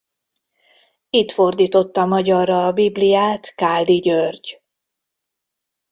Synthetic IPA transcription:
it̪fo̞rd̪iːt̪o̞t̪ːɒmɒɟɒrːɒːbiblijaːt̪kaːld̪iɟørɟ

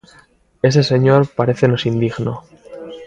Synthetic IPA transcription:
e̞s̬e̞se̞ɲo̞ɾpaɾe̞θeno̞sind̪iɣno

